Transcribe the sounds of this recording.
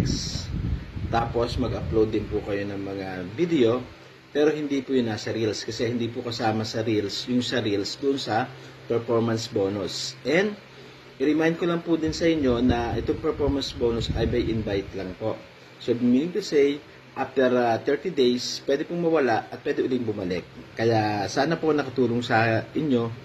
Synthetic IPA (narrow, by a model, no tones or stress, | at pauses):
ks | t̪aːpo̞smɐɡɐplowd̪ːɪnpʊkɐjo̞nɐŋmɐŋabid̪ɛo̞ | pɛːɾo̞hɪnd̪iːpʊjʊŋnasɐɾilskɐsɛhɪnd̪iːpʊkɐsaːmɐsɐɾilsjʊŋsɐɾilsd̪ʊʔonsɐ | pɛɹfoɹmɐnsbo̞ːnʊsʔɛnd̪ | ʔɪɾɪmajnd̪̚kolɐŋpʊd̪ɪnsɐʔɪɲjo̞nɐʔɛt̪oŋpɛɹfoɹmɐnsboːnʊsʔɐjmɐjʔɪnbajt̪lɐŋpo̞ʔ | sobʊmiːnɪŋt̪ʊsɛj | ʔaft̪ɛɾt̪ɛɹt̪id̪ejspwɛːd̪ɪpʊŋmɐwɐlaʔɐt̪̚pwɛːd̪ɛʔʊlɪŋbʊmɐlɛk̚ːɐjaʔsaːnɐponɐkɐt̪uːloŋsɐʔɪɲo̞